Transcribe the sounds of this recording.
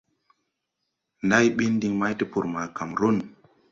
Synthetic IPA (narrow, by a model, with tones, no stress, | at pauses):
nda˦jɓi˦ndi˦ŋma˦jti˦pu˨ɾma˨ka˨mɾo˦n